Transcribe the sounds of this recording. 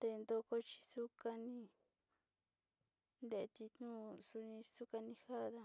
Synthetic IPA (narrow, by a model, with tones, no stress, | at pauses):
t̪e˧nd̪o˧ko˧t͡ʃi̥˧su˦ka˧nĩ˧ | nd̪e˧ʔe˧t̪i˧nũ˦su˧nĩ˧su˦ka˧nĩ˧ha˦ða˧